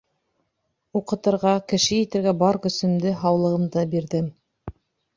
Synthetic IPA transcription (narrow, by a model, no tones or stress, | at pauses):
uqɤ̆t̪ɤ̆ɾʁɑkɘ̆ʃɘjĭt̪ɘ̆ɾɡæbɑɾkɵ̆sɵ̆md̪ɘɦɑwlˠɤ̆ʁɤ̆md̪ɤbiɾðɘm